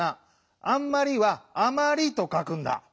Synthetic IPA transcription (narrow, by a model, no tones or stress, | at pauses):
a | ãmːaɾʲiβaːmaɾʲit̪o̞kakɯ̟̃nd̪a̰